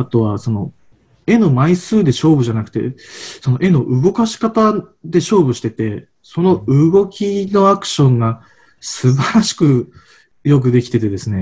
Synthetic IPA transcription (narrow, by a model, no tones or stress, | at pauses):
at̪o̞βaso̞no̞ | e̞no̞maisɨːd̪e̞ɕo̞ːbɯ̟ʑanakɯ̟̥t̪e̞̰so̞no̞ʔe̞no̞ʔɯ̟ɡo̞kaɕi̥kat̪ad̪e̞ɕo̞ːbɯ̟ɕi̥t̪e̞t̪e̞ | so̞no̞ɯ̟ɡo̞kʲino̞akɯ̟̥ɕõ̞ŋɡa | sɨbaɾaɕi̥kɯ̟ | jo̞k̬ɯ̟d̪e̞kʲi̥t̪et̪e̞d̪e̞sɨne̞